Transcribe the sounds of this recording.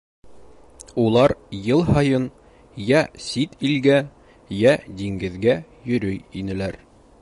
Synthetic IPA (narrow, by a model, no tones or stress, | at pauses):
ulˠɑɾjɤlˠhɑjɤn | jæsit̪ilɡæ | jæd̪iŋɡɘ̆ðɡæ | jɵ̆ɾɵjinɘ̆læɾ